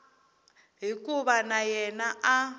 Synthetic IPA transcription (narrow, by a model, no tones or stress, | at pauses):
ɦikʼuβanajɛnaʔa